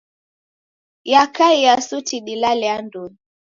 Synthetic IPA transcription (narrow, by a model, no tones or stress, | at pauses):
jakaiasutiɗilalɛandun